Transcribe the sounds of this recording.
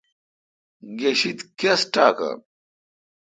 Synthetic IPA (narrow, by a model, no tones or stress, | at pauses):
ɡeɕit̪kesʈaːkɐ̰